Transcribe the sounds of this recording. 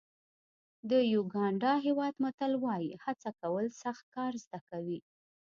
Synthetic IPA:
d̪əjuɡɑɳɖɑɦewɑd̪mat̪alwɑjihat͡sakawəlsaxt̪̚kɑɾzd̪akawi

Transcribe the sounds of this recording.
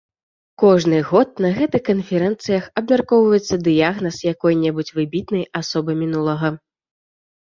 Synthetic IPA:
kɔʐnɨɣɔt̪̚nɐɣɛt̪ɨxkɐnfʲɛɾɛnt̪sɨjɐxɐbmʲarkɔwvɐjɛt̪sːɐd̪ɨjaɣnɐsjakɔjnʲɛbut͡sʲvɨbʲit̪nɨjasɔbɨmʲinulˠɐɣɐ

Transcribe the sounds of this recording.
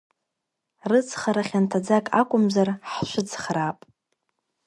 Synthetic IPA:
rɨt͡sʰχaɾaχʲantʰad͡zakʼakʷʼʊmzarħʃʷʊt͡sʰχraːpʼ

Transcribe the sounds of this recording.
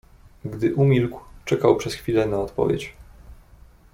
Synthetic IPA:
ɡd̪ɘʔumʲilkwt͡ʂɛkawpʂɛsxfʲilɛnaɔt̪pɔ̰vʲjḛt͡ɕ

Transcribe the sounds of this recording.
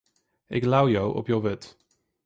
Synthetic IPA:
ɪklawjowʔɔ̰pjowvɪt

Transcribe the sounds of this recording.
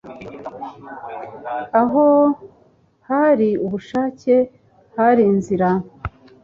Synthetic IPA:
aɦo | haɾiuβuʃaːce̞ | haɾiːnziɾa

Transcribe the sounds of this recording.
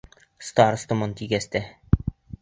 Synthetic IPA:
st̪ɑɾst̪ŏmɤnt̪iɡæst̪æ

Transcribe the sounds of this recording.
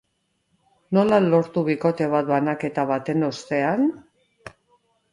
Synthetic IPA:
no̞lalo̞ɾt̪uβiko̞t̪e̞β̞at̪̚banake̞t̪aβat̪e̞no̞st̪e̞an

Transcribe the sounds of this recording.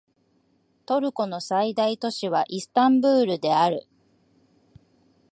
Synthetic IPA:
t̪o̞ɾɯ̟ko̞no̞said̪ait̪o̞ɕiβaʔisɨ̥t̪ãmbɯːɾɯ̟d̪e̞aɾɯ̟

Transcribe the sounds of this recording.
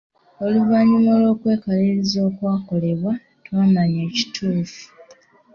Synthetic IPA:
o̞luvaɲimolo̞ːkwe̞ːkaliɾizo̞ːkwaːko̞le̞βwa | twaːmaɲe̞ːci̥tʰuːfu̥

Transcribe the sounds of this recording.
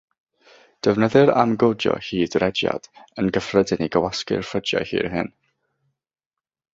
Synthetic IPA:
d̥əvnəðɨɾamɡodjɔ̰hiːdrɛdja̰d̥ənɡəfrədɪniɡəwaskɪ̰rfədjahḭːrɦɨn

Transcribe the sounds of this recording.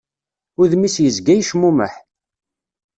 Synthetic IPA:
ʊðmisjəzɡæjʃmuməħ

